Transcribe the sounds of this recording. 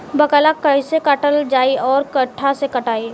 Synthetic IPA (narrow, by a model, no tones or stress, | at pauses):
bɐkəlakɐɪsekɐʈəld͡ʒaːiɔːɾkɐʈʰːasekɐʈaːi